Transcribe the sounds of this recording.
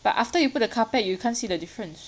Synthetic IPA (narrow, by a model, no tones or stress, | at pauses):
b̥a̰tʔaftəjuput̚dəkʰapɛt̚jukʰãnsiːdədifɹə̃ns